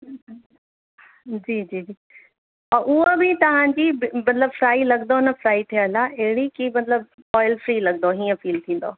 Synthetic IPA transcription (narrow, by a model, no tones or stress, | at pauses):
d͡ʑiːd͡ʑiːd͡ʑiː | ɐʔʊɦobɪt̪ɐʋ̤ãɲd͡ʑiːbɪmɐt̪ləbfɾaːilɐɠnd̪onɐfɾaːit̪ʰiəlaɐɦɪɽikimɐt̪ləb̚ | ɔːɪlfɾiːlɐɠ̚nd̪oɦiːə̃fiːlt̪ʰĩːn̆d̪o̰ː